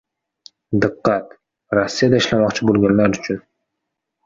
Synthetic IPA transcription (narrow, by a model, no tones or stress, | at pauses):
d̪ɨqːɑt̪ | ɾasːijad̪aɪʃlamɒqt͡ʃʰɪbolˠɡʲanlaɾʊt͡ʃʰʊn